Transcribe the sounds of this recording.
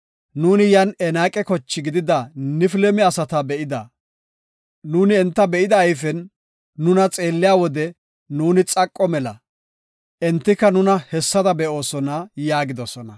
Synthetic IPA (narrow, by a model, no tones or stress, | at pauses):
nuːnɪjɐnɛnaːkʼɛkɔt͡ʃːɪɡɪd̪ɪd̪ɐnɪfɪlɛmɪɐsɐt̪ɐbɛʔɪd̪ɐ | nuːnɪɛnt̪ːɐbɛʔɪd̪ɐːjfɛnː | ʊnɐt͡sʼe̞ːlːɪjaːwɔd̪ɛ | nuːnɪt͡sʼɐkʼːɔmɛlɐ | ʔɛnt̪ːɪkːɐnʊnɐhɛsːɐd̪ɐbɛʔo̞ːsɔnɐjaːɡɪd̪ɔsɔnɐ